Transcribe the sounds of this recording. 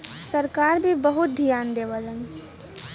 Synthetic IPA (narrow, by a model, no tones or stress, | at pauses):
səɾkaːɾbʱibəɦʊt̪̚d̪ʱijaːnd̪eːʋələn